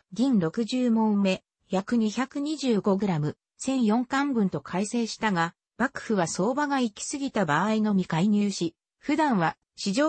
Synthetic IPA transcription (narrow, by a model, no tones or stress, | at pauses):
ɡʲĩnɾo̞kɯ̟ʑɨːmõ̞mme̞ | jakɯ̟ɲ̟içakɯ̟ɲ̟iʑɨːɡo̞ɡɯ̟ɾamɯ̟ | sẽ̞ɰ̃jõ̞ŋkãmbɯ̟̃nt̪o̞kʰaise̞ːɕi̥t̪aɡa | b̥akɯ̟̥ɸɯ̟βaso̞ːbaɡaikʲi̥sɨɡʲit̪abaːino̞mʲikaiɲɨːɕi | ɸɯ̟d̪ãɰ̃βa | ɕiʑoː